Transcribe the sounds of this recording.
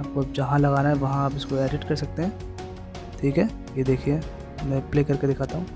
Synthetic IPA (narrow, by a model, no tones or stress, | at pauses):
aːp̚koɐp̚d͡ʒɐɦãlɐɣaːnaɦɛʋɐɦãaːpɪskoeːɖɪʈkɐɾsɐk̚t̪eɦɛ̃ː | ʈʰiːkɦɛː | jed̪eːkʰie | mɛ̃pleːkɐɾked̪ɪkʰaːt̪aɦũ